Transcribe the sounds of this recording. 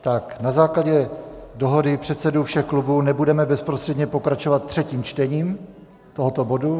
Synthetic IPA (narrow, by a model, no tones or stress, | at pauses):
t̪aknazaːklaɟɛ | do̞ɦo̞dɪpr̝̥ɛt̪sɛdufʃɛxklubuːnɛbudɛmɛbɛspɾost̪r̥ɛdɲɛpo̞kɾat͡ʃovat̪ːr̝̥ɛciːmt͡ʃt̪ɛɲiːm | t̪oɦo̞t̪o̞bo̞du